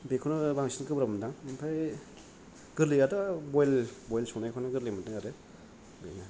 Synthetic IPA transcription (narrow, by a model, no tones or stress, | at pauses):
bekʰɔnabaŋsinkɯbɾabmdaŋnpʰaj | ɡ̥ɯɾliadabɔjlbɔjlsonajkʰɔnaɡɯɾlimatɯŋaɾe | bḛna